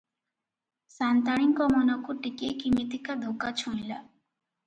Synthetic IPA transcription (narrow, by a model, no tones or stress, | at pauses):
sant̪aɽ̃iŋkɔmɔnɔkuʈikekimit̪ikad̪ʱokat͡ʃʰũjla̰